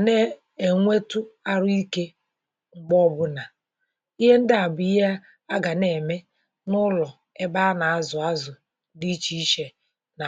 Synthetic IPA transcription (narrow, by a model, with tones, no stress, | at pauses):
ne˦ | e˨ŋʷe˦tʊ˦a˦ɾʊ˦i˦ke˦ | ŋ͡m̩˦ɡ͡bɔ˦bʊ˦na˨ | i˦ɦe˦n̩˦dɪ˦a˨bʊ˨i˦ja˦ | a˦ɡa˨ne˨me˦ | nʊ˦lɔ˨ | e˦ba˦na˨a˦zʊ˨a˦zʊ˨˦ | di˦t͡ʃi˦i˦ʃe˨ | na˨